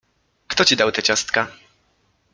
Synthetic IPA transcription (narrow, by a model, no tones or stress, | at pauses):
kt̪ɔt͡ɕid̪awt̪ɛt͡ɕast̪ka